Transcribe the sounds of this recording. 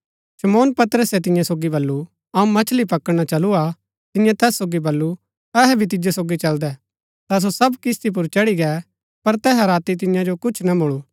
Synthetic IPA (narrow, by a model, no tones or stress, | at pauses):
ʃɐmoːnpɐt̪əɾəsɛt̪̬ɪ̃jãsoːɡibɐlːu | ɐũmɐt͡ʃʰlipɐkəɽñat͡ʃɐlua | t̪ɪ̃jãt̪ɛːsːoːɡibɐlːu | ɛɦɛbʱit̪̬ɪd͡ʒesoːɡit͡ʃɐld̪ɛ | t̪as̬osɐbkɪst̪ip̬ʊɾt͡ʃɐɽiɡɛː | pɐɾt̪ɛːɦaɾaːt̪it̪̬ɪ̃jãd͡ʒokʊt͡ʃʰnɐmʊɭuː